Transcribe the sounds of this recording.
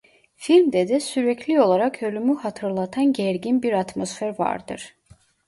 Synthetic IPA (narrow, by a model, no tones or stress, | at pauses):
filʲmd̪ɛd̪ɛsyɾɛcʰlʲio̞lˠaɾakʰølʲymyhat̪ʰɯɾlˠat̪ʰanɟæɾɟinbiɾat̪mo̞sfeɾva̰ɾd̪ɯ̰ɾ̥